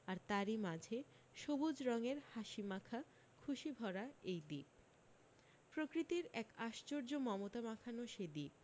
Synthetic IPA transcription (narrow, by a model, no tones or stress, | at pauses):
aɾt̪aɾimad͡ʑʱe | ʃobud͡ʑɾɔŋeɾhaʃimakʰa | kʰuʃibʱɔɾaejd̪ip̚ | pɾokɾit̪iɾɛkaʃt͡ɕoɾd͡ʑomɔmot̪amakʰanoʃed̪ip̚